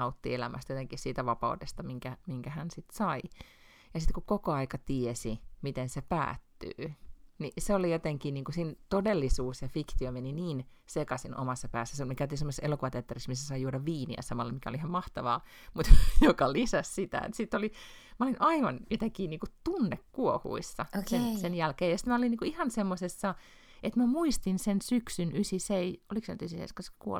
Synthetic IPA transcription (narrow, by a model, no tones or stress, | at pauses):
ɑut̪ːielæ̰mʔæ̰st̪jot̪eŋkihsiːt̪æʋɑpɑ̰udest̪ɑmiŋkæmiŋkæhænsit̪sɑi | jɑsit̪kukokoɑikɑt̪iesimit̪ensepæ̰ːt̪ːy̰ːniseolijot̪eŋkiːniːŋkusint̪odelːisuːsjɑfikt̪iomeniniːn | sekɑsinʔo̰mɑsːɑpæːsːæsemikæt̪isemːoseselokuʋɑt̪eæɑt̪ːeriksmisːæsɑijuːɾɑʋiːnḭæ̰sɑmɑlːɑmikæo̰liihɑmmɑht̪ɑʋɑː | mut̪jokɑlisæssit̪æ̰ḛt̪sit̪ːoli | mæolinʔɑiʋɑnjot̪ækiːniːŋkut̪unːekkuohṵisːɑosesenjælkeːjɑsi̥t̪mæoliniːkuihɑnsemːosesːɑ | et̪mæmuist̪insensyksynysiseiʔoliksenyt̪ysisḛiskɑse̥kuo̰l